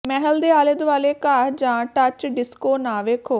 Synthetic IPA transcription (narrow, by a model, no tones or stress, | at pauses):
mɛːɦəld̪eːaːleːd̪ʋaːleːkaːd͡ʒãːʈət͡ʃɖɪskoːnaːʋeːkʰoː